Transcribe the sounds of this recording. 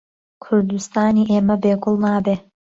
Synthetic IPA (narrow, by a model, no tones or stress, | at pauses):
kʰʊɾd̪ust̪aːniːʔeːmɐbeːkʰʊlˠnaːbeː